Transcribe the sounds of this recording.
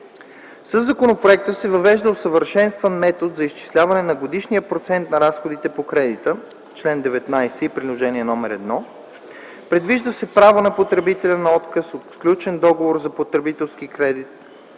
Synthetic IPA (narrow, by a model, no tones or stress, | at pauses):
səzːɐkonopɾoɛk̚t̪əsɛvɐvɛʒd̪əosəvəɾʃɛnst̪vənmɛt̪od̪zɐist͡ʃi̥slʲavɐnɛnɐɡod̪iʃniəpɾot̪sɛnt̪nɐɾasxod̪it̪ɛpokɾɛd̪it̪ə | t͡ʃlɛnd̪ɛvɛt̪najsɛipɾilˠoʒɛniɛnɔmɛɾɛd̪nɔ | pɾɛd̪viʒd̪əsɛpɾavonɐpot̪ɾɛbit̪ɛlʲənɐɔt̪kəsot̪fklʲut͡ʃɛnd̪ɔɡovoɾzɐpot̪ɾɛbit̪ɛlˠsk̟ikɾɛd̪it̪̚